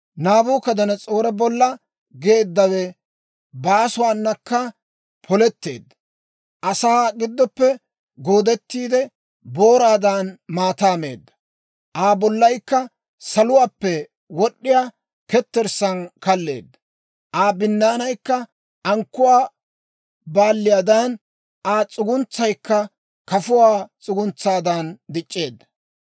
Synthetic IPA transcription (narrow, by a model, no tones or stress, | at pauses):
naːbuːkɐd̪ɐnɐt͡sʼo̞ːɾɛbɔlːɐ | ɡeːd̪ːɐwɛ | baːsʊwaːnːɐkːɐ | pʰɔlɛt̪ːe̞ːd̪ːɐ | ʔɐsaːɡɪd̪ːɔpːɛ | ɡoːd̪ɛt̪ːiːd̪ɛ | boːɾaːd̪anmaːt̪aːme̞̰ːd̪ːɐ̥ | ʔaːbɔlːɐjkːɐ | sɐlʊwaːpːɛ | wɔɗːɪjaː | kɛt̪ːɛɾsɐnkɐlːe̞ːd̪ːɐ̥ | ʔaːbɪnːaːnɐjkːɐ | ʔɐŋkːʊwaː | baːlːɪjaːd̪an | ʔaːt͡sʼʊɡʊnt͡sːɐjkːɐ | kɐfʊwaːt͡sʼʊɡʊnt͡sːaːd̪ɐnd̪ɪt͡ʃʼːe̞ːd̪ːɐ̥